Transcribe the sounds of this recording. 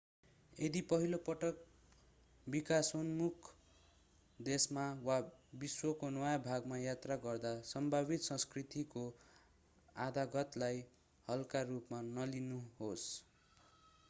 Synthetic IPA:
ed̪ipʌɦilopʌʈʌk̚ | bikasonmukʰ | d̪esmawabiswʌkonʌjabʱaɡmajat̪raɡʌrd̪asʌmbʱabit̪sʌ̃skrit̪iko | ad̪aɡʌt̪laj | hʌlkarupmanʌlinuɦos

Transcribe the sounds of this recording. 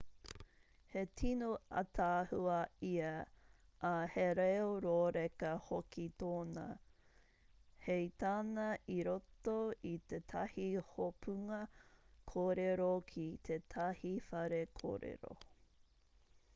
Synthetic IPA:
hetʰinoɐ̰t̪ʰaːhuɐiɐ | ʔːheɾeoɾoːɾekɐhokit̪oːnɐ̰ | hejt̪aːnɐʔiɾot̪oit̪etʰɐhihopʰuŋɐkʰoːɾeɾokʰit̪ʰet̪ʰɐhifɐɾekʰo̰ːɾḛɾo̰

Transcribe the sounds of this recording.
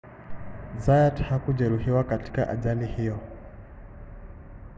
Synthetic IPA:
zajathakud͡ʒɛɾuhiwakati̥ka̰ʔa̰d͡ʒalihijɔ

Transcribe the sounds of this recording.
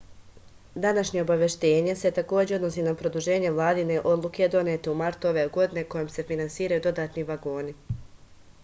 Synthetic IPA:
d̪anaʃɲe̞obaʋje̞ʃt̪e̞ːɲe̞set̪ako̞ːd͡ʑeo̞d̪no̞siːnapɾo̞d̪uʒe̞ːɲe̞ʋlˠaːd̪ine̞ʔo̞d̪lˠuke̞d̪o̞net̪eumaɾt̪uo̞ʋe̞ɡo̞d̪ine̞ko̞jomse̞finansiːɾajud̪o̞d̪aːt̪niʋaɡo̞ːni

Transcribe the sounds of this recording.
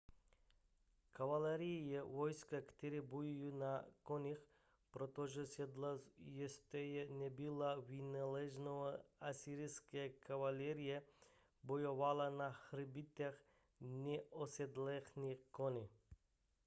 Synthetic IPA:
kavalɛɾijjɛvɔjskakt̪ɛɾibujijunakonix | pɾot̪oʒɛs | jɛst̪ɛjɛnɛbilˠavinalɛʒnoaasiɾiskekavalʲɛɾije | bojovalˠanaxɾbit̪ax | nɛosɛd̪lɛxnikoni

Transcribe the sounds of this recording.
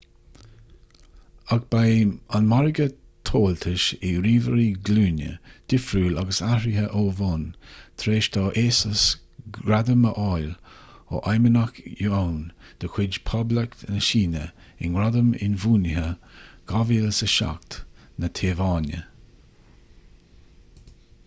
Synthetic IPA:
aɡ̚b̥ajanmaɾɪɡə | t̪ʰoːlt̪ʰɪʃɪɾiːvəɾiɡluːnjə̰d̪̥ɪfɾuːlaɡəsaɾiɦəʔoːvont̪ʰɾeːʃt̪ʰɑːʔeːsəs | ɡɾad̪əməʔɔjlo̰ʔajmənakjuownd̪̥əkʰw̥ɪd͡ʒpʰɔbləknəʃiːnə̰ | ɪ̰nɾad̪əmɪ̰nvuːnɪɦəɡ̥aviːlsəʃa̰k̚t̪nət̪ʰeːvɑːnjə̰

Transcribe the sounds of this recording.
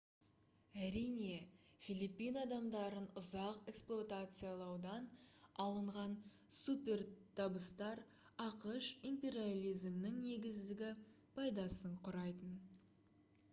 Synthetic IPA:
æɾijne̞fʲilˠipːijnɑd̪ɑmd̪ɑɾənʊzɑqe̞ksplˠot̪at̪sɨjalˠɑwd̪ɑnɑlˠəɴʁɑn | supʲe̞ɾt̪ʰɑbəst̪ɑɾ | ɑqəʃimpʲe̞ɾialʲˠijzmnɪŋne̞ɡʲɪzd̪ɪɡʲɪ | pʰɑjd̪ɑsəɴqʰʊɾɑjt̪ən

